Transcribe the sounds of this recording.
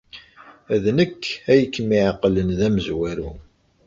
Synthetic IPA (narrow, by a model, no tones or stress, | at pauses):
æðnəkːæjəkːmiʕaqːlənðæməzwæɾu